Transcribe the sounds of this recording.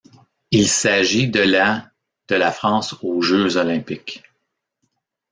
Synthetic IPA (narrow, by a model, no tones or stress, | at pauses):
ilsaʒid̪əla | d̪̥əlafχɑ̃soʒøzɔlɛ̃pɪk